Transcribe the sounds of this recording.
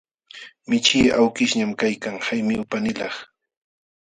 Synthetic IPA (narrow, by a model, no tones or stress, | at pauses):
mɪt͡ʃɪːawkɪʃɲamkajkaŋhajmɪwpanɪlɑχ